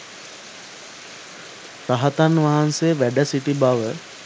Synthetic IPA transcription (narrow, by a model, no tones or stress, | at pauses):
pɾaɦat̪anʋaɦansejəʋæɖəsiʈibaʋə